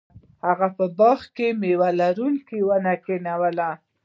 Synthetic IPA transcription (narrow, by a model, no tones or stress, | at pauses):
haɣapəbɑxkemewalaɾuŋkiwanakenawəla